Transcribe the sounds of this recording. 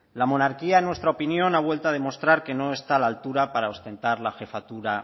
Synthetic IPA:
lamo̞naɾkiaenwest̪ɾaopinjo̞naβ̞we̞lt̪að̞e̞mo̞st̪ɾaɾke̞noe̞st̪alaːlt̪uɾapaɾao̞st̪e̞nt̪aɾlaxe̞fat̪uɾa

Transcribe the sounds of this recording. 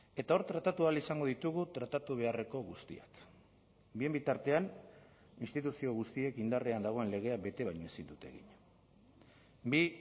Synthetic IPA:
e̞t̪ao̞ɾt̪ɾat̪at̪ualisaŋɡo̞ðit̪uɣ̞ut̪ɾat̪at̪uβ̞e̞are̞ko̞ɣust̪ḭa̰k | bie̞mbit̪aɾt̪e̞an | inst̪it̪usio̞ɣust̪ie̞kind̪areand̪aɣ̞o̞e̞nle̞ɣ̞e̞abe̞t̪e̞βajɲoe̞sind̪ut̪e̞̰ɣḭɲ | bi

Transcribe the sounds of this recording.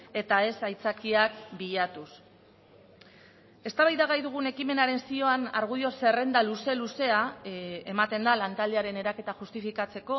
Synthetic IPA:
e̞t̪ae̞sajt͡sakiakbiʎat̪us | e̞st̪aβajðaɣajðuɣ̞une̞kime̞naɾe̞nsio̞ana̰ɾɣ̞uðio̞se̞re̞nd̪aluse̞luse̞ae̞mat̪e̞nd̪alant̪ald̪e̞aɾe̞ne̞ɾake̞t̪aʝust̪ifikat͡se̞ko̞

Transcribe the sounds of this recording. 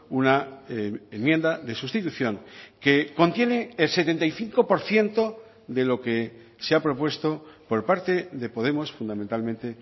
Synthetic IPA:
una | emje̞nd̪aðe̞sust̪it̪uθjo̞ŋke̞ko̞nt̪je̞ne̞ːlse̞t̪e̞nt̪ajθiŋkopo̞ɾθje̞nt̪o̞ | ðe̞lo̞ke | seapɾo̞pwe̞st̪o̞po̞ɾpaɾt̪e̞ðe̞po̞ðe̞mo̞sfund̪amẽ̞nt̪almẽnt̪e

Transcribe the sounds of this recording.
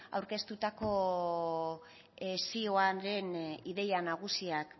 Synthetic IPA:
a̰wɾke̞st̪ut̪ako̞ | esioaɾe̞niðe̞janaɣ̞usiak

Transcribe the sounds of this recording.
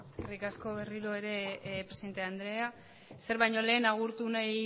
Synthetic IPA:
eskerikasko̞βe̞riɾo̞e̞ɾe̞pɾesiðe̞nt̪eand̪ɾe̞a | se̞ɾβajɲo̞le̞ːnaɣ̞uɾt̪unaj

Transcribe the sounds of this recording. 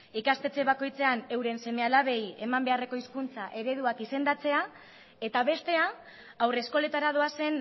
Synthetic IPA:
ikast̪e̞t͡seβako̞jt͡se̞ane̞wɾe̞nse̞me̞alaβe̞je̞mambe̞are̞ko̞iskunt͡saʔe̞ɾe̞ðuakise̞nd̪at͡se̞a | e̞t̪aβe̞st̪e̞aː | wre̞sko̞le̞t̪aɾað̞o̞ase̞n

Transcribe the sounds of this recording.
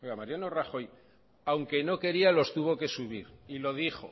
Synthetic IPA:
oɣamaɾjano̞raχo̞j | awŋke̞no̞ke̞ɾialo̞st̪uβo̞ke̞suβ̞iɾilo̞ðixo̞̰

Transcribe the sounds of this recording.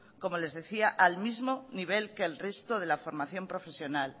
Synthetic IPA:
ko̞mo̞le̞zðe̞θiaʔalmizmoniβ̞e̞lke̞ːlrest̪oð̞e̞lafo̞ɾmaθjo̞mpɾo̞fe̞sjo̞nal

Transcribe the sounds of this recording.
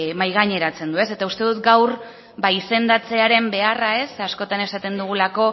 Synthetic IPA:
majɣaɲe̞ɾat͡se̞nd̪ue̞se̞t̪aust̪e̞ðut̪ɡawr | baise̞nd̪at͡se̞aɾe̞mbe̞arae̞sasko̞t̪ane̞sat̪e̞nd̪uɣ̞ulako̞

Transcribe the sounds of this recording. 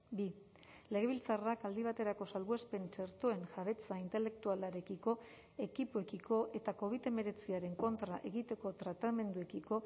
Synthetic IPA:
bi | le̞ɣ̞e̞β̞ilt͡sarakald̪iβ̞at̪e̞ɾako̞salβue̞spe̞nt͡ʃe̞ɾt̪oe̞nʝaβ̞e̞t͡saint̪e̞le̞k̚t̪ualaɾe̞kiko̞ | e̞kipue̞kikʰo̞ʔe̞t̪ako̞β̞it̪e̞me̞ɾe̞t͡siaɾe̞ŋko̞nt̪ɾaʔe̞ɣit̪e̞ko̞t̪ɾat̪ame̞nd̪ue̞kiko̞

